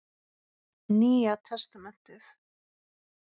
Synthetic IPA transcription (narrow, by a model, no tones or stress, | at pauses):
niːat̪ʰɛst̪amɛn̥t̪ɪθ